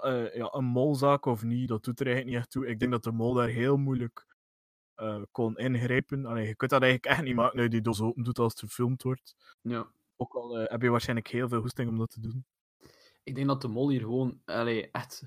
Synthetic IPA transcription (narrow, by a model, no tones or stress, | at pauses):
əja̰ːʔənmɔlˠzaːkɔfnidɑt̚d̥utəɾɛjɣələk̚niɛxtuɪɡ̚dɛŋɡdɑt̚dəmɔlˠdaːrɦeːlˠmujlək | əːkɔnɪnɣɾeːpənɑleːjəkɵntdɑtɛjɣələkɛxtnimaːkənœjdidoz̬oːpəndutɑlˠstfərfɪlˠmtʋɔrt | ja | oːkɑlˠəɦɛbəjəʋaːrsxɛjnləkheːlˠveːlˠɦustɪŋɔmdɑtʰədun | ɪɡ̚dɛŋdɑt̚dəmɔlˠiːrɣəʋoːnɑleːʔɛxt